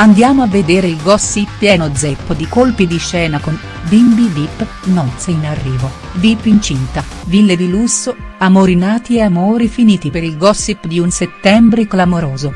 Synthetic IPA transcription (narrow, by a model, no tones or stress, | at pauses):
and̪jaːmoavːed̪eːɾeilɡɔsːipːjɛːnod̪zɛpːd̪ikolpid̪iʃɛːnakon | bimbid̪ipː | nɔt̪seinarːiːvo | d̪ipːint͡ʃint̪a | vilːed̪ilusːo | amoɾinaːt̪ieamoːɾifiniːt̪ipeɾilɡɔsːipːd̪iunset̪ːɛmbɾeklamoɾoːzo